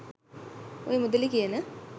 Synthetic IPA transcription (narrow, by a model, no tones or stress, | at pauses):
o̰jemud̪ɐlikijɐnɨ